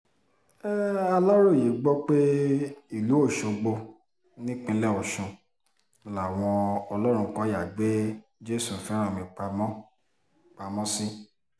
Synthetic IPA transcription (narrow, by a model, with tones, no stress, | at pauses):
ɛ˦a˦lɔ˦ɾo˦˨ji˨˦ɡ͡bɔ˦k͡pe˦i˦˨lu˨˦o˦˨ʃo˨ɡ͡bo˧ | nĩ˦k͡pĩ˧˦lɛ˦˨o˨ʃũ˧˨ | la˨w̃ɔ̃˧ɔ˧lɔ˦ɾ̃ũ˧kɔ̃˧˦ja˦˨ɡ͡be˦d͡ʒe˦sũ˨fɛ˨˦ɾ̃ã˦˨mĩ˨k͡pa˧mɔ̃˦ | k͡pa˧mɔ̃˦si˦